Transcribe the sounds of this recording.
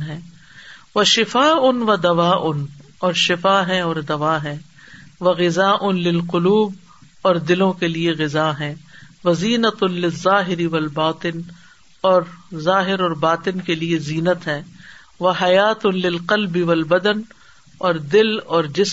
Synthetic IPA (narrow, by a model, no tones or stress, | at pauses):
ɦɛ̃ː | ʋɐʃɪfaːʊnʋɐd̪ɐʋaːʔʊn | ɔːɾʃɪfaːɦɛ̃ɔːɾd̪ɐʋaːɦɛ̃ː | ʋɐɣɪzaːʔʊnlɪlqʊluːb̚ | ɔːɾd̪ɪlõkelieɣɪzaːɦɛ̃ːʋɐziːnət̪ʊnlɪzːaːɦɪɾiʋɐlbaːt̪ɪn | ɔːɾzaːɦɪɾɔːɾbaːt̪ɪnkelieziːnət̪ɦɛ̃ː | ʋɐɦɐjaːt̪ʊnlɪlqɐlbiʋɐlbɐd̪ən | ɔːɾd̪ɪlɔːɾd͡ʒɪs